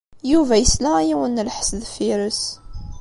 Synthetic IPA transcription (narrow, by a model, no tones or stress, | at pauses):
juvæjəslæjiwənlħə̥sðfiɾəs